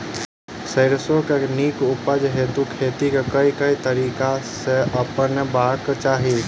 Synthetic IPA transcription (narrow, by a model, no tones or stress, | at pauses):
səɪɾsokeniːkʊpəd͡ʒɦeːt̪ukʰeːt̪ikekəikəit̪əɾiːkaseʔəpənbaːɾkt͡ʃaːɦi